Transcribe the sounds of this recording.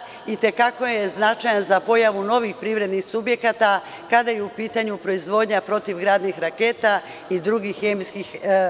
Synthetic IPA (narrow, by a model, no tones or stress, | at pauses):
it̪e̞kako̞jeznat͡ʃajanzapo̞jaʋuno̞ʋixpɾivɾe̞d̪nixsubje̞kat̪a | kad̪ajeupiːt̪aɲupɾo̞izʋo̞ːd̪ɲapɾo̞t̪iʋɡɾaːd̪nixɾake̞ːt̪a | id̪ɾuɡixːemskix